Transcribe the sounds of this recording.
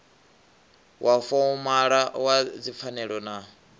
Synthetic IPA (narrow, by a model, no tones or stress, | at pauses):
wʔafɔumaɺawad͡zip̪fʰanɛɺɔna